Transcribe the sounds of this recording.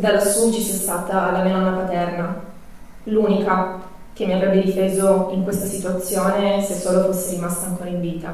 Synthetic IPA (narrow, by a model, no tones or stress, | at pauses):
d̪alasuːt͡ʃisɛst̪aːt̪aːlːamenɔnːapat̪ɛrna | luːnika | k̟emːiavɾɛbːed̪ifeːzoiŋkwest̪asit̪uat̪sːjoːnesesːoːlofosːeɾimast̪aːŋkoːɾaiɱviːt̪a